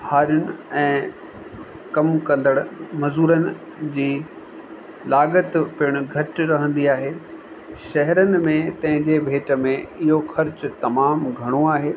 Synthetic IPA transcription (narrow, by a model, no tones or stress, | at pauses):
haːɾjʊnɪ̆ɛ̃ː | kɐmkɐ̃nd̪əɽmɐzuːɾənɪ̆ | d͡ʑiː | laːɡət̪pɪɽ̃ʊ̆ɡʱɐʈɾɐɦə̃nd̪iaːɦeː | ʃɐɦɛɾənɪ̆mẽt̪ɐ̃ɦɪ̃ɲd͡ʑebʱeːʈə̆mẽɪɦoxɐɾt͡ɕʊt̪ɐmaːmɡʱɐɽ̃oaːɦeː